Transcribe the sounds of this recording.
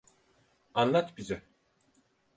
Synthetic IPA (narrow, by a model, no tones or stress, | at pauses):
anlˠat̪bizɛ